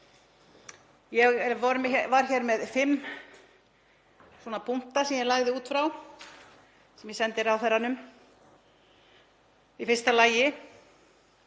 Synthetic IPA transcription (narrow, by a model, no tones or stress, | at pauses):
jɛɣvɔɾmɛvaɾ̥çɛɾmɛðfɪmː | swɔnapʰum̥t̪asɛmjɛlaɣðɪuːt̪fɾaw | sɛmjɛsɛnt̪ɪɾawθɛɾanʏm | ifɪr̥st̪alaːjɪ